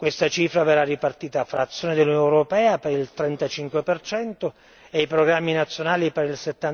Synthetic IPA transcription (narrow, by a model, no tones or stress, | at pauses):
kwest̪at͡ʃiːfɾaverːarːipart̪iːt̪afɾaːt̪sːjoːned̪elːunjɔnɛwɾopɛːapeɾilt̪ɾɛnt̪at͡ʃiŋkwepert͡ʃɛnt̪o | ejpɾoɡɾamːinat̪sːjonaːlipeɾilset̪ːan